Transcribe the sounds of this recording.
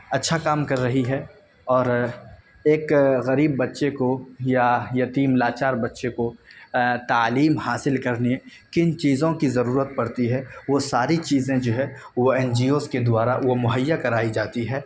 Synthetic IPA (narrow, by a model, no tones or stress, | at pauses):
ɐtːʃʰakaːmkɐɾːɐɦiɦɛ | ɔːɾ | eːkɣɐɾiːbːɐtːʃekojajɐt̪iːmlaːt͡ʃaːɾbɐtːʃeko | t̪aːliːmhaːsɪlkɐɾnekɪnt͡ʃiːzõkizɐɾuːɾət̪̚pɐɽt̪iɦɛːʋosaːɾit͡ʃiːzẽd͡ʒoːɦɛ | ʋoɛːnd͡ʒiːoːzked̪ʊaːɾaʋomʊɦəjːakɐɾaːid͡ʒaːt̪iɦɛː